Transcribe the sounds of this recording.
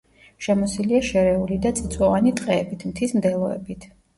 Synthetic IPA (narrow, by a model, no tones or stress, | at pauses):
ʃɛmɔsiliaʃɛɾɛulid̪at̪sʼit̪sʼwɔvanit̪ʼqʼɛːbit̪ʰmt̪ʰismd̪ɛlˠɔɛ̰bit̪ʰ